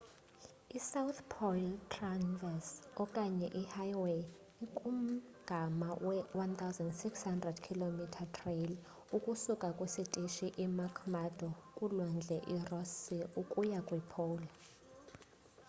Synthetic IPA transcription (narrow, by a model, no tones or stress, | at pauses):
isawut̪ʰpʰɔltʰʼranvɛsɔkʼaɲɛʔihajwe | ikʼum̩ɡ̥ʱamawɛwant̪ʰawzɛndsikshandrɛdkʰilomitʰatʰrel | ukʼusukʼakʼwisitʼiʃiʔimakʰmadɔkʼulɔnd͡ɮʱɛʔirɔsiukʼujakʼwipʰowli